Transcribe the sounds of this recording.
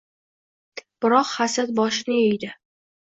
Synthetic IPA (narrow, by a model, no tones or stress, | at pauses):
b̥ɪɾɒqhasad̪̚bɒʃɪnɪɵjd̪ɪ